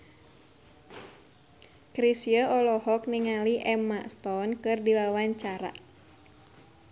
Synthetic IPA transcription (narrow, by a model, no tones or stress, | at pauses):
kɾisiəɔlɔɦɔk̚niŋaliʔɛmast̪ɔnkɨrdiwawaɲt͡ʃaɾa̰